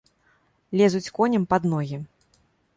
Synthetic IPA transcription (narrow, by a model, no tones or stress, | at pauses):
lʲɛzut͡sʲkɔnʲɛmpad̪nɔɣʲi